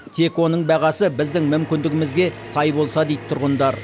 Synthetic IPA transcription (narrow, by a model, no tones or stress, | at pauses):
t̪ʰe̞kwo̞nəɴbɑʁɑsəbɪzd̪ɪŋmʏmkʲɪnd̪ɪɡʲɪmɪzɡʲe̞sɑjbo̞lˠsɑd̪ejd̪t̪ʰʊɾʁənd̪ɑɾ